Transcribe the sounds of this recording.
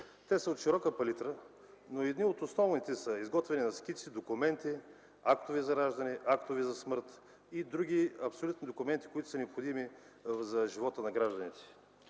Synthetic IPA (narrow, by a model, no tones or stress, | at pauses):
t̪ɛsəot̪ʃiɾɔkəpɐlit̪ɾə | noɛd̪niot̪osnɔvnit̪ɛsɐizɡɔt̪vɛninɐsk̟it̪sid̪okumɛnt̪i | akt̪ʊvizɐɾaʒd̪ɐnɛʔakt̪ovizɐsmɤɾt̪ | id̪ɾuɡ̟iɐpsolʲut̪nid̪okʊmɛnt̪i̥koit̪ʊ̥sənɛopxʊd̪imi | zɐʒivɔt̪ənɐɡɾaʒd̪ɐnit̪ɛ̥